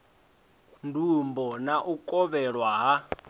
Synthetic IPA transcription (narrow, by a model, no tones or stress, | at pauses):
ndʱumbɔnaʔukʼɔβɛɺwaɦa